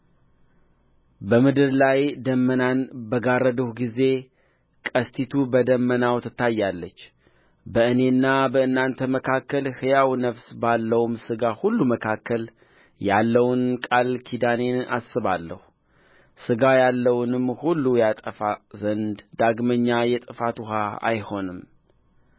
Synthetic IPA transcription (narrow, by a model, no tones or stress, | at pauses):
bəmɨd̪ɨɾlajd̪əmːənanbəɡarəd̪əhɡize̞ | kʼəst̪ʰit̪ʰubəd̪əmːənawt̪ʰɨt̪ːajːalːət͡ʃː | bəɨne̞nːabəɨnːant̪ʰəməkʰakːəlhɨjawnəfsbalːəwumsɨɡahulːuməkʰakːəl | jalːəwʊnkʼalkʰid̪ane̞nasɨβalːəhu | sɨɡajalːəwnɨmhulːujat̪ʼəfazənd̪d̪aɡməɲːajɛt̪ʼɨfat̪uɦaa̰jho̞nɨm